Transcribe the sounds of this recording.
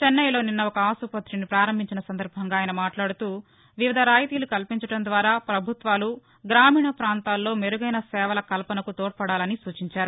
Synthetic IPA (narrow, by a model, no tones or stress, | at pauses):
t͡ʃenːɐjlo̞ːninːɐɔkɐaːsupɐt̪ːɾinipɾaːɾɐmbʱiɲt͡ʃinɐsɐnd̪ɐɾbʱɐŋɡaːjɐnɐmaːʈlaːɽut̪uː | ʋiʋid̪ʱɐɾaːjt̪iːlukɐlpiɲt͡ʃɐʈɐnd̪ʋaːɾaːpɾɐbʱut̪ʋaːlu | ɡɾaːmiːɳɐpɾaːnt̪aːlːo̞ːmeɾuɡɐjnɐsɛːʋɐlɐkɐlpɐnɐkut̪oːʈ̚pɐɽaːlɐnisuːt͡ʃiɲt͡ʃaːɾu